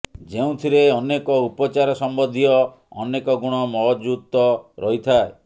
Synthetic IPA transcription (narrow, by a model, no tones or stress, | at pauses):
d͡ʒeũt̪ʰiɾeɔnekɔupɔt͡ʃaɾɔsɔmbɔd̪ʱijɔ̰ː | nekɔɡuɽ̃ɔmɔɦd͡ʒut̪ːɔɾɔɦit̪ʰae